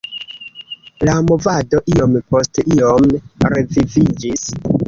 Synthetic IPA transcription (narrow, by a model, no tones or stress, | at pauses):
lamo̞vado̞ʔio̞mpo̞stiomɾevivid͡ʒis